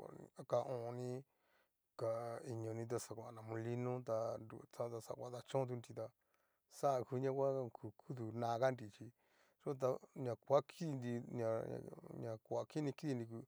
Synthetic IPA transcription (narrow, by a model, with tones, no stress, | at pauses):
a̰˨a˦ka˧ʔõ˨˧nĩ˦ | ka˨i˧ɲõ˨˧nĩ˧t̪̬a˧sa˨kʷa˨nã˨mũ˧li˦nũ˦t̪a˧ndṵ˨t͡sã˦t̪a˧sa̰˧˨kʷa˧˦t̪a˧t͡ʃõ˦t̪̬u˧nd̪i˧t̪a˧ | sa˦˧ku˧˦ɲã˦kʷa˦kʰu˨kʰu˦t̪̬u˨nã˧ka˦˧ndi˨t͡ʃi˧ | ʐo˦˧t̪̬a˧ɲã˨kʷa˦kʰi˦i˧nd̪i˧ɲã̰˧ɲã˨kʷa˨ki˦nĩ˧ki˦ði˧nd̪i˧k̬u˧